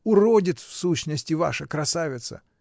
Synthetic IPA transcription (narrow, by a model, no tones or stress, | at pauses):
ʊrodʲɪt̪sfsuɕnəsʲtʲɪva̰ʂəkɾɐsavʲɪt̪sə̰